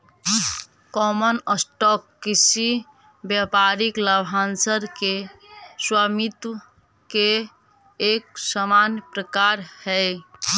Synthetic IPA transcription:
kɔmənəsʈɔkːisi | bjəpaɾikləbʱansəɾkeswamit̪ | keː | k̚səmanjəpɾəkaɾhɛɪ

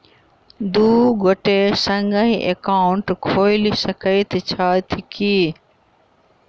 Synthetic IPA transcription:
d̪uːɡoʈesəŋɡəĩʔekaːʊɳʈkʰoːɪlisəkəit̪ʰit͡ɕʰaːt̪ʰikiː

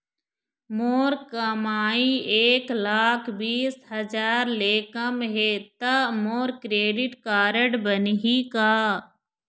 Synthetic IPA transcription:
moːɾkəmaːieːklaːkʰbiːsɦəd͡ʒaːɾleːkəmɦeːt̪ɐmoːɾkɾeːɖɪʈkaːɾəɖbənɦikaː

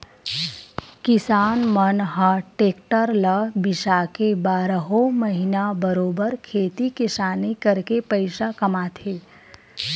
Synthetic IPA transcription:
kɪsaːnmənɦaʈeːkʈəɾləbɪʃakebaːɾəɦoməɦɪnabəɾoːbəɾkʰeːt̪ikɪsaːnikəɾkepəɪʃakɐmaːt̪ʰeː

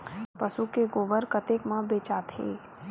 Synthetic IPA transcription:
pəsukeɡoːbəɾkət̪ekmãbeːt͡ʃat̪ʰḛː

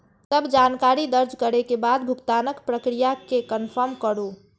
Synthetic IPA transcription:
t̪əbd͡ʒankaɾid̪əɾd͡ʒkəɾekebad̪̚bʱukt̪anəkpɾəkɾijakekənpʰəɾmkəɾu

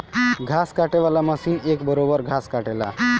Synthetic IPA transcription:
ɡʱaskaʈeʋalaməsinekbʌɾobʌɾɡʱaskaʈela̰

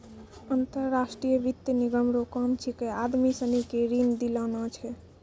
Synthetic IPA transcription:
ənt̪əɾːasʈɾijəbit̪jəniɡəmɾokɔmt͡ʃʰikead̪misənikeɾind̪ilɔnɔt͡ʃʰɛ

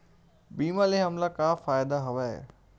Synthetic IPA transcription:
biːmalẽɦɐmlakaːfaːjd̪aɦɐʋaḛː

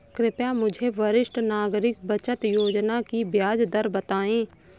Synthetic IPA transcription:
kɾɪpjãmʊd͡ʒʱeʋəɾɪʃʈnaːɡɾɪk̚bət͡ʃət̪joːd͡ʒnakibʱjaːd͡ʒd̪əɾbət̪aːẽː

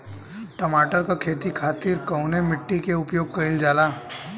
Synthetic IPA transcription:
ʈəmaːʈəɾkakʰeːt̪ikʰaːt̪iɾkəwnemɪʈːikeʊpjoːɡ̚kɐɪld͡ʒaːlaː

